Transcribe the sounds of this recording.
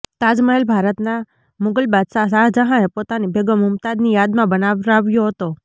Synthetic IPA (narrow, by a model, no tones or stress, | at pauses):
t̪ad͡ʒməɦelbʱaɾət̪na | mʊɡəlbad̪sas̬ad͡ʒəɦãepot̪anibeɡəmʊmt̪ad̪nijad̪mãbənaʋɾaʋjoɦət̪o